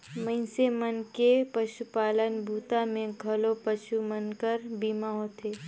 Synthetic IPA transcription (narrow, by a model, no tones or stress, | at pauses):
mə̃ɪsemənkepəʃupaːlənbʱuːt̪amẽɡʱɐlopəʃumənkəɾbiːmaɦot̪ʰeː